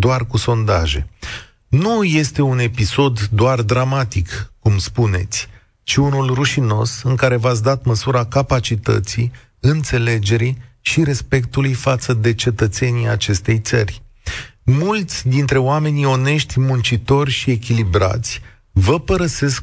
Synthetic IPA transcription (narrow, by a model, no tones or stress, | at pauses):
d̪oarkuso̞nd̪a̰ʒe̞̰ | nuje̞st̪e̞une̞piso̞d̪ːoard̪ɾamat̪ikkumspune̞t̪sʲ | t͡ʃiunulruʃino̞̰sɨŋkaɾe̞vat̪s̬d̪at̪məsuɾakapat͡ʃit̪ə̰t̪si | ɨnt̪se̞le̞d͡ʒe̞ɾi | ʃiɾe̞spe̞kt̪ulujfat̪səd̪e̞t͡ʃe̞t̪ət̪se̞niat͡ʃe̞st̪e̞jt̪sərʲ | mult̪sʲd̪int̪ɾe̞oame̞nio̞ne̞ʃt̪ʲmunt͡ʃit̪o̞rʲʃie̞kʲilibɾa̰t̪sʲ | vəpəɾəse̞sk